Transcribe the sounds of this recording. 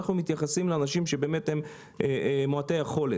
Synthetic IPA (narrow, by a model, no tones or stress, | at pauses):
aχnumit̪jaχasimleanaʃimʃebe̞ːme̞them | emoate̞jaχo̞le